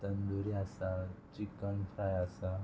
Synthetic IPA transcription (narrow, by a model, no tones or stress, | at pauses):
t̪ənd̪uɾiasat͡ɕikːəɳfʰɾajasa